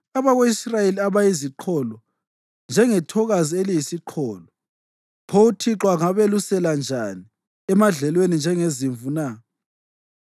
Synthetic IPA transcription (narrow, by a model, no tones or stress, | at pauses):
aβaɣoisrajeliaβajiziǃʰɔlɔ | nd͡ʒʱɛŋɛtʰɔɣazielijisiǃʰɔːlɔ | pʰoutʰiǁwaŋaβelusɛland͡ʒʱani | ɛmaɮɛlwenind͡ʒʱɛŋeziɱvuna